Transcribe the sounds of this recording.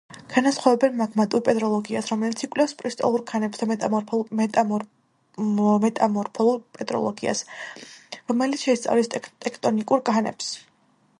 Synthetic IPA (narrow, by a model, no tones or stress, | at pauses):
kʰanasχɔvɛbɛnmaɡmat̪ʼuɾpʼɛd̪ʼɾɔlˠɔɡiasɾɔmɛlit̪sikʼlɛfspʼɾist̪ʼɔ̰lˠuɾkʰanɛpsd̪amɛmɛ | mɛt̪ʼamɔɾpʰɔlˠuɾpʼɛd̪ɾɔ̰lˠɔɡia̰s | ɾɔmɛlit̪ʃɛist̪sʼa̰vlist̪ʼɛkʰt̪ʼɔnikʼuɾkʼʰanɛ̰ps